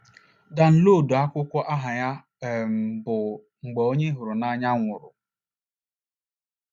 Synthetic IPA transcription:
da˨n̩˨lo˦˨du˨a˦kʷʊ˦kʷɔ˦ʔa˦ɦa˨ja˦˨ | m̩˨bʊ˨ | ŋ͡m̩˨ɡ͡bɔ˨o˦ɲe˦ɦʊ˨ɾʊ˨na˦ɲa˦ŋʷʊ˨ɾʊ̰˨

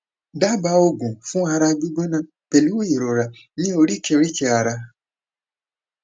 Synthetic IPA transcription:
da˦ba˧˦o˧˨ɡũ˨fũ˦a˧ɾa˧ɡ͡bi˦ɡ͡bɛ˦nã˦˨ | pɛ˨lu˨˦we˦ji˨ɾo˨ɾa˨ | nĩ˦o˧ɾi˦˨kɛ˧ɾi˦t͡ʃɛ˧a˧ɾa˧

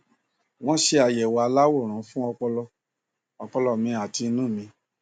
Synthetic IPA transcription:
w̃ɔ̃˦ʃe˧a˨jɛ˨wa˨˧la˦wo˦˨ɾ̃ũ˨˦fũ˦ɔ˧k͡pɔ˧lɔ˧ | ɔ˧k͡pɔ˧lɔ˧mĩ˧a˨ti˧˦nũ˦˨mĩ˧

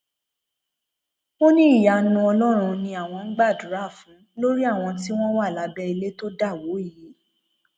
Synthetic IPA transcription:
o˦nĩ˦i˦˨ja˨nũ˧ɔ˧lɔ˦ɾ̃ũ˧nĩ˧a˨w̃ɔ̃˧ŋ͡m̩˦ɡ͡ba˦˨dɾa˦˨fũ˨˦lo˦ɾi˦a˦˨w̃ɔ̃˧ti˦w̃ɔ̃˦wa˦˨la˨˦bɛ˦i˧le˦to˦da˦˨wo˨˦i˦˨ji˨˦

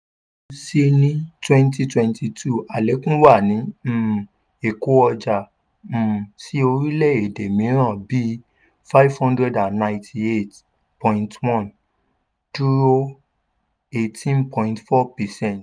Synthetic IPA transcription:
o˧se˦nĩ˦twɛ̃˦nti˧twɛ̃˧ntʰi˧tʰu˦˨a˨le˨˦kũ˦wa˦˨nĩ˨˦m̩˨ | e˨ko˨˦ɔ˧d͡ʒa˨ | m̩̃˨si˦o˧ɾi˦lɛ˦˨e˨de˨mĩ˨˦ɾ̃ã˦˨bi˨˦ | fa˦i˦vhɔ̃˦ndɾɛ˦da˨nnã˨j̃tʰi˧e˦˨t | pɔ̃˨ĩ˨ntwɔ̃˦˨n | tu˦ɾo˦ | e˨tĩ˦npɔ̃˧ĩ˧ntfɔ˦pɛ˨sɛ̃˦˨nt

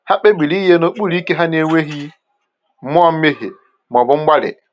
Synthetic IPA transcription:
ha˦ɓe˦ɓi˨ɾi˦je˦no˦ɓu˦˨ɾi˦ke˦ɦa˦ni˦e˦we˦ɦi˦ | mɔ˦a˦m˦me˦ɦḛ˨ | m˨ɔ˨bu˦ŋ͡m̩˦ɡ͡ba˦lḛ˨

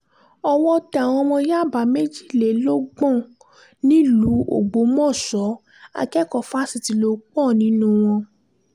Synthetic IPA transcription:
ɔ˧wɔ˦ta˨w̃ɔ̃˧mɔ̃˧ja˦˨ba˨˦me˦d͡ʒi˦˨le˨˦lo˦ɡ͡bɔ̃˦˨ | nĩ˨˦lu˨˦o̰˦˨ɡ͡bo˨˦mɔ̃˦˨sɔ˨˦ | a̰˧kɛ˦kɔ˦˨fa˦si˧˨ti˨˧lo˧˦k͡pɔ˦˨nĩ˨˦nũ˦w̃ɔ̃˧

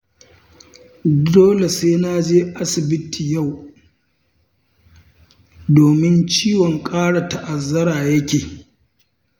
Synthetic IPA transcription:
doː˦le˨seː˦na˦d͡ʒeː˦ʔa˦sɪ˨bɪ˦tʰiː˨ja˦˨w | doː˨mɪ˦nt͡ʃiː˦wɔ˨ŋkʼaː˦ɽa˨ta˨ʔa˨zːɐ˦ɾaː˨jɐ˦kʲeː˨

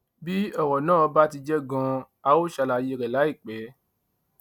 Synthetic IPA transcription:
bi˦ɔ˦˨wɔ˨nãː˦˨ɔ˧˦ba˦ti˧d͡ʒɛ˦ɡã˧ | a˧wo˦ʃa˧la˨je˧ɾɛ˨la˨˦i˦˨k͡pɛ˨˦

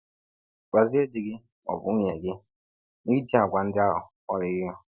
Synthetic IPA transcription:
ɡa˨zi˦e˦di˨ɡɪ˦ | ɔ̰˨bʊ˨˦ɲe˨ɡɪ˦ | ni˦i˦ti˦a˨ɡʷa˨n̩˦dɪ˦a˦ɦʊ̰˨ | ɔ˦lɪ˨ɣɪ˦ɔ˦

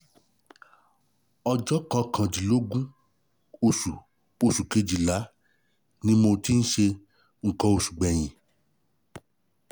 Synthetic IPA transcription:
ɔ˧d͡ʒɔ˦kã˧kʰã˨d͡ʒi˨lo˨˦ɡũ˦ | o˧su˨ | o˧˨su˨ke˧d͡ʒi˨la˨˦ | nĩ˦mo˧ti˦n̩˦ʃe˧ | ŋ̩˨kɔ̃˧o˧su̥˨ɡ͡bɛ˨j̃ĩ˨

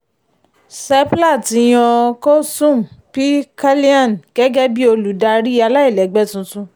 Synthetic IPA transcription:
sɛ˦pla˦˨tĩ˨˧˦j̃ɔ̃˧ko˦sũ˦˨m˨pi˦ka˦li˦ã˦˨n˨ɡ̥ɛ˦ɡɛ˦bi˦o˧lu˨da˧ɾi˦a˧la˦i˦˨lɛ˨˦ɡ͡bɛ˦tũ˧tũ˧

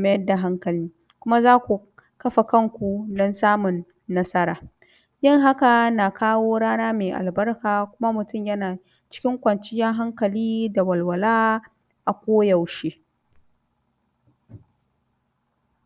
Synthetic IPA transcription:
mɐ˦jɐ˦rda˨ɦa˦ŋkɐ˨liː˦ | kʷʊ˦ma˦zaː˦kʷu˨ | kɐ˦ɸa˨kɐ˦ŋkʷu˨nɐ˦nsaː˦mʊ˨nː | ɐ˦sɐ˦ɾaː˨ | jɪ˦ŋɦa˦ka˨na˨kaː˦woː˦ɽaː˦naː˦meː˨ʔa̰˨lbɐ˦rkaː˨kʷʊ˦ma˦mʊ˨tʊ˦˨mjɐ˦naː˨ | t͡ʃɪ̥˦kʲɪ˦ŋkʷɐ˨nt͡ʃɪ˦jɐ˦ŋɦa˦ŋkɐ˨liː˦da˨wɐ˨lwɐ˨laː˦ | ʔa˨kʷoː˦jɐ˨wʃeː˦

